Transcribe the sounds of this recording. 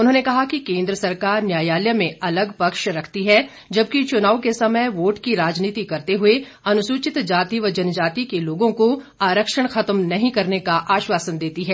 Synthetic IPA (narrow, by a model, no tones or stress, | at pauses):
ʊnɦõːnekɐɦakikẽːnd̪ɾəsɐɾkaːɾnjaːjaːljəmẽɐləɡpɐkʃɾɐkʰt̪iɦɛ | d͡ʒɐbkit͡ʃʊnaːukesɐməjʋoːʈkiɾaːd͡ʒniːt̪ikɐɾt̪eɦʊe | ɐnʊsuːt͡ʃɪt̪d͡ʒaːt̪iʋəd͡ʒɐnd͡ʒaːt̪ikeloːɡõko | aːɾəkʃəɽ̃xɐt̪mnɐɦĩkɐɾnekaʔaːʃʋaːsənd̪eːt̪iɦɛː